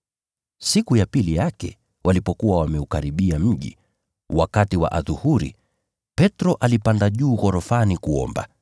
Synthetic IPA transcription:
sikujapilijakɛ̰ | wʔalipɔkuwawamɛukaɾiɓiam̩ʄḭ | wakatiwa̰ʔaðuhuɾḭ | pɛtɾɔʔalipandaʄuːɣɔɾɔfanikuɔ̰mba̰

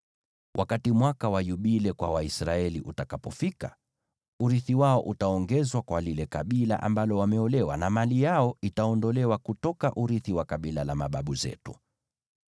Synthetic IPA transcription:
wʔakatimwakawajuɓilɛkwa̰waisɾaɛliʔutakapɔfika | uɾiθiwaɔʔutaɔŋɡɛzwakwalilɛkaɓila̰ʔa̰mbalɔwamɛɔlɛwanamalijaɔitaɔndɔlɛwakutɔkaʔuɾiθiwakaɓilalamaɓaɓuzɛ̰tu

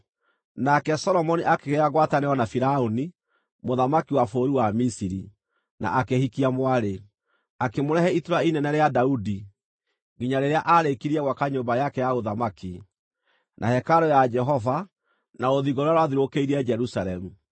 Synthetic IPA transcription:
nakɛsɔlɔmɔniʔakeɣeaɣwataneɔnafiɾaoni | moðamakiwafoːɾiwamisiɾḭ | na̰ʔakehikiamwaɾe | akemoɾɛhɛitoɾainɛnɛɾeadaudi | ɡiɲaɾeɾeaʔaɾekiɾiɛɣwakaɲombajakɛjaɣoðamaki | nʔa̰hɛkaɾojad͡ʒɛɦɔva | naoðiɣoɾoaɾwaðiɾokeiɾɛd͡ʒɛɾusaɾɛmu

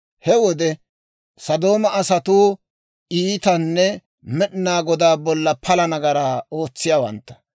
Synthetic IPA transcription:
hɛwɔd̪ɛ | sɐd̪o̞ːmɐʔɐsɐt̪uː | ʔiːt̪ɐnːɛ | mɛɗɪnaːɡɔd̪aːbɔlːɐpʰɐlɐnɐɡɐɾaːo̞ːt͡sːɪjaːwɐ̰nt̪ːɐ̥

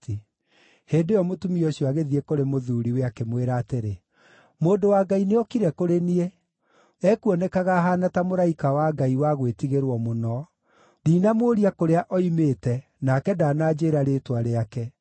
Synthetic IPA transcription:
heːndejɔmotumiɔɕjɔaɣeðiekoɾemoðuɾiweakemweɾaːteɾe | moːdowaɡaineɔkiɾɛkoɾenie | ɛkuɔnɛkaɣaɦaːnatamoɾaikawaɡaiwaɣwetiɣeɾwɔmonɔ | ɾiːnamoɾiakoɾeaʔɔimeːtɛ | nakɛdaːnaːd͡ʒeɾaɾeːtwaɾeakɛ

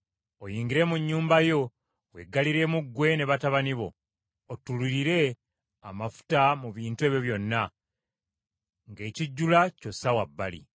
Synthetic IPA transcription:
ojiːŋɡiɾe̞muɲːuːmbajo̞ | we̞̰ɡːaliɾe̞ːmuɡːwe̞ne̞βataβaniβo̞̰ː | tuliɾiɾe̞ | amafu̥tamuβiːntueβjo̞βjo̞nːa | ŋɡe̞ːciɟːulaco̞sawabːalḭ

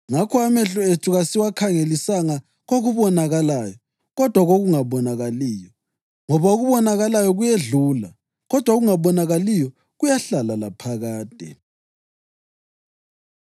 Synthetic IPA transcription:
ŋakʰɔamɛɬɔetʰuɣasiwakʰaŋelisaŋa | ɣoɣuβɔnaɣalaːjɔ | ɣɔd̥ʱwaɣoɣuŋaβɔnaɣaliːjɔ | ŋɔβaoɣuβɔnaɣalajɔɣujeɮuːla | ɣɔd̥ʱwaɣuŋaβɔnaɣalijɔ | ɣujaɬalala̰pʰaɣaːd̥ʱɛ̰

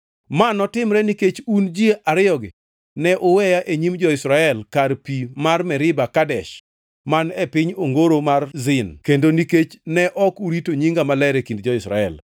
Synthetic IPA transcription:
manɔtɪmɾɛniket͡ʃund͡ʒjeʔaɾɪjɔɡɪ | nɛʔʊwɛjaʔeɲimd͡ʒɔɪsɾaɛlkarpimarmɛɾɪbakadɛʃ | manɛpɪɲoŋɡoɾomarzɪnkendoniket͡ʃnɛʔɔkuɾitoɲiŋɡamalɛɾɛkindd͡ʒɔɪsɾa̰ɛ̰l

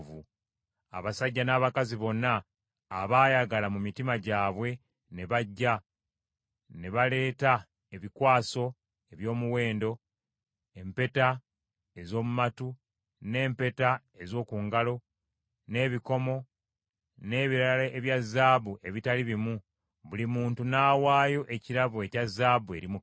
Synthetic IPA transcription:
vu | aβasaɟːanaːβakaziβo̞nːaː | βaːjaɡalamumitimaɟaːβwe̞ | ne̞βaɟːa | ne̞βale̞ːta | e̞βikwaːso̞ | e̞βjo̞ːmuwe̞ːndo̞ | e̞mpe̞ta | e̞zo̞ːmumatu | ne̞ːmpe̞ta | ezo̞ːkuŋɡalo̞ | ne̞ːβiko̞mo̞ | ne̞ːβiɾaalaeβjazːaːβuʔe̞βitaliβimu | βulimuːntunaːwaːjo̞ʔe̞ciɾaβue̞cazːaːbue̞̰ɾimu

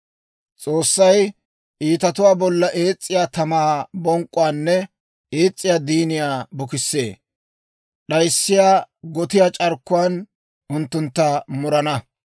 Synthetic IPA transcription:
t͡sʼo̞ːsːɐj | ʔiːt̪ɐt̪ʊwaːbɔlːɐʔe̞ːt͡sʼːɪjaːt̪ɐmaːbɔŋkʼːʊaːnːɛ | eːt͡sʼːɪjaːd̪iːnɪjaːbʊkɪsːe̞̰ː | ɗɐjsːɪjaːɡɔt̪ɪjaːt͡ʃʼɐɾkːʊwaːn | ʔʊnt̪ːʊnt̪ːɐmʊɾɐnɐ

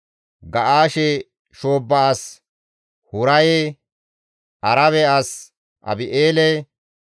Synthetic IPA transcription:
ɡɐʔaːʃɛ | ʃoːbːɐas | hʊɾɐje | ʔɐɾɐβɛas | ʔɐ̰bɪʔeːlɛ

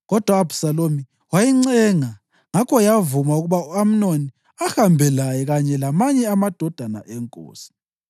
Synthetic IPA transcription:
ɣɔd̥ʱwaːb̥ʱu̥salomi | wajiŋ͡ǀɛŋa | ŋakʰɔjavumauɣuβauam̩noni | ahambʱɛlajɛɣaɲɛlamaɲɛamad̥ʱɔd̥ʱana̰ʔɛŋkʼo̰ːsi̥

